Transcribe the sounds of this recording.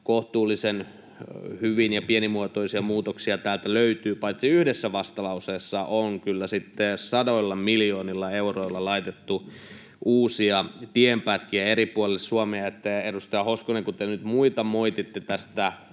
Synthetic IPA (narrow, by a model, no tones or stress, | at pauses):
koht̪uːlːˑisen | hyʋinjɑpienimuot̪oisiɑmuːt̪oksiɑt̪æːlt̪æløyt̪yːpɑit̪siyhdesːæʋɑst̪ɑlɑuseːsːɑʔoŋkylːæsit̪ːesɑdoilːɑmiljoːnilːɑeuroilːɑlɑit̪et̪ːu | ʔuːsiɑt̪iempæt̪kiæeɾipuolelssuɑmeɑet̪ːæedust̪ɑjɑhoskoneŋkut̪enyt̪muit̪ɑmoit̪it̪ːet̪æst̪æ